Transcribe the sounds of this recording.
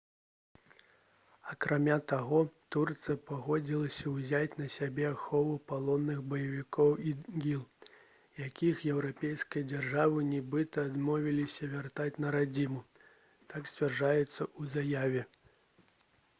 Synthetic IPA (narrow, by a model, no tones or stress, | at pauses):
ɐkɾʔamʲat̪aɣɔt̪urt̪sɨjɐpaɣɔd͡zʲilˠɐsʲɐwzʲat͡sʲnɐsʲabʲɛaxɔvupalˠɔnːɨɣbɐjɐvʲikɔwiɡʲilˠ | jakʲixjɛwɾapʲejskɐjɐd͡zʲarʐavɨnʲɛbɨt̪ɐːd̪mɔvʲilʲisʲɐvʲart̪at͡sʲnɐɾad͡zʲimu | t̪aksʲt͡sʲvʲarʐajɛt̪sːɐʔuzajavʲɛ